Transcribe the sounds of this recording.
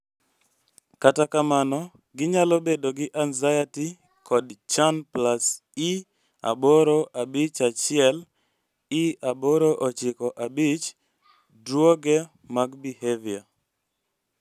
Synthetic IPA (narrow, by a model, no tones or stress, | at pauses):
katakamanɔ | ɡɪɲalobedoɡɪʔanzajati | kɔdt͡ʃanplas | i | a̰boɾoʔabɪt͡ʃat͡ʃɪɛl | iaboɾoʔot͡ʃɪkɔʔabit͡ʃ | dwoɡɛ | maɡbihevia